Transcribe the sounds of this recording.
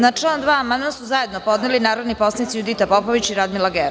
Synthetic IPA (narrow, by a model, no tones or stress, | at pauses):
nat͡ʂland̪ʋaːamand̪masuzaje̞d̪nopod̪nelinaːɾod̪nipo̞snit̪sijud̪it̪apopoʋit͡ɕiɾad̪milaɡeɾ